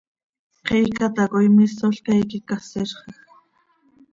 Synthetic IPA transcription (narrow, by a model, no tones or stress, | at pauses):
qejkat̪akojmɪsoɬkajkɪkaseɾχɑ